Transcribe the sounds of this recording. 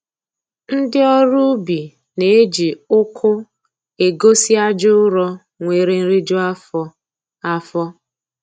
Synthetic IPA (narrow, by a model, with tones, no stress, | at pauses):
n̩˦dɪ˦ɔ˦ɾʊ˦bi˨ | ne˨e˦d͡ʒi˨ʊ˦kʰʊ˦ | e˨ɡo˦si˦a˦d͡ʒʊ˦ʊ˦ɾɔ˦ | ŋʷe˨ɾe˦n̩˦ɾi˦d͡ʒo˦ | a˦fɔ˦